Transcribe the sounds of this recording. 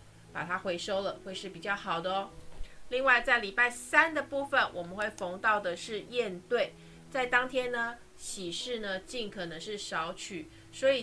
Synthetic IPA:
pa˨˩t̪ʰa˥xwe˧˥ɪʂo˥ʊlə˨xwe˥˧ɪʂɻ̩˥˩pi˨˩t͡ɕjɑ˥˩ʊxɑ˨˩ʊd̪ə˦li˥˧ŋwa˥˧ɪt͡sa˥˩ɪli˨˩pa˥˩ɪsa˦˥nd̪ə˨pu˥˩fə˨nwʔɔ˨˩mə˦nxwe˥˩ɪfo˧˥ŋt̪ɑ˥˩ʊd̪ə˩ʂɻ̩˥˧jɛ˥˧nt̪we˥˩ɪ | t͡sa˥˩ɪt̪ɑ˥ŋt̪ʰjɛ˥nnə˨ | ɕi˨˩ʂɻ̩˥˩nə˨t͡ɕi˥˩nkʰɤ˨˩nə˧˦ŋʂɻ̩˥˩ʂɑ˧˥ʊt͡ɕʰy˨˩˦ | swɔ˧˥i˨˩

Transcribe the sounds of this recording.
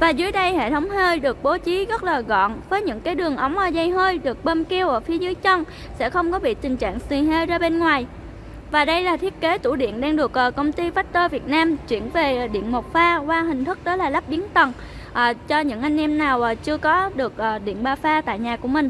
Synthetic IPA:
vaː˨˩zɨ˨˦jɗə˧jhḛ˧˨t̪ʰə˨˦wŋ͡mhəː˧jɗɨ˨˩ək̚ɓo˨˦t͡ɕi˨˦ɣə˦˥t̚laː˨˩ɣɔ̰˧˨nvəː˨˦jɲɨ̰˧˥ŋkaː˨˦jɗɨ˨˩əŋʔə˨˦wŋ͡mʔəː˨˩zə˧jɦəː˧jɗɨ˨˩ək̚ɓə˧mki˧əwʔəː˧˨˩fi˨˦əzɨ˨˦jt͡ɕə˧n | sɛ̰˧˥xə˧wŋ͡mkɔ˨˦ɓḭ˧˨t̪ï˨˩ŋ̟t͡ɕa̰ː˧˨ŋsi˨˩ɦə˧jzaː˧ɓe˧nŋwaː˨˩j | vaː˨˩ɗə˧jlaː˨˩t̪ʰi˦˥ət̚ke˨˦t̪ṵ˧˩ɗḭ˧˨ənɗaː˧ŋɗɨ˨˩ək̚ʔəː˨˩kə˧wŋ͡mt̪i˧faː˦˥t̚t̪əː˧vi˨˩ət̚naː˧mt͡ɕwḭ˧˩˨ənve˨˩˨ɗḭ˧˨ənmo˨˩t̚faː˧kwaː˧ɦï˨˩ŋ̟t̪ʰɨ˦˥k̚t̪əː˨˦jlaː˨˩la˦˥p̚ɓi˨˦ənt̪ə˨˩n | ʔəː˨˩t͡ɕɔ˧ɲɨ̰˧˥ŋʔa˧jŋ̟ʔɛ˧mnaː˨˩wʔaː˨˩t͡ɕɨ˧əkɔ˨˦ɗɨ˨˩ək̚ʔəː˨˩ɗḭ˧˨ənɓaː˧faː˧t̪a̰ː˧˨jɲaː˨˩ku˧˩əmï˨˩ŋ̟

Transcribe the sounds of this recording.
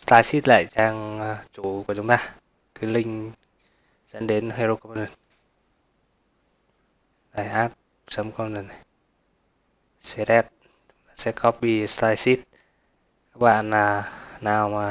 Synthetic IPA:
slaː˧jsi˦˥t̚la̰ː˧˨jt͡ɕaː˧ŋ˧t͡ɕu˧˩kət͡ɕʊ˨˦ŋ͡mt̪aː˧ | kɨ˨˦lï˧ŋ̟ | sɛ̰˧˦nɗe˨˦nhe˧ɾo˧kɔ˧m˧nə˨˩n | la˨˩jʔaː˦˥p̚ | sə˨˧˦mkɔ˧mnə˨˩n˨ | se˧ɾɛ˦˥t̚ | aː˨˩sɛ̰˧˥kʰɔ˦˥p̚ɓi˧st̪aː˧jsi˦˥t̚ | kaː˦˥k̚ɓa̰ː˧˨nːaː˨˩naː˨˩wmaː˨˩

